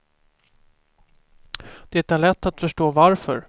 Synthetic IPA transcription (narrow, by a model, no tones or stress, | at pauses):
d̪̥ɛɛt̪æɭɛt̪ːat̪fœʂʈoːvaɾfœ̰ɾ